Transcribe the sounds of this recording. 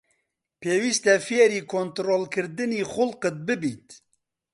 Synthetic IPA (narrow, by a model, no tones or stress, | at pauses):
pʰeːwist̪ɛfeːɾiːkʰont̪ɾoːlkʰɨɾd̪ɨniːxʊlqɨt̪̚bɨbiːt̪